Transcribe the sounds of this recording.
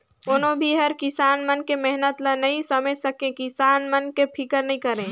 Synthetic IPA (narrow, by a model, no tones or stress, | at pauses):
ʊnɦõbʱiɦɐɾkɪsaːnmənkemɛɦnət̪lɐnɐĩsɐməsɐkẽkɪsaːnmənkepʰɪkəɾnɐɦĩkɐɾẽː